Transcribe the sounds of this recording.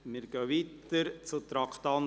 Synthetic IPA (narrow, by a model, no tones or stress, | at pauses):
mɪɾɡœːʋiːt̪əɾt͡sut̪ɾɑkʰt̪ɑn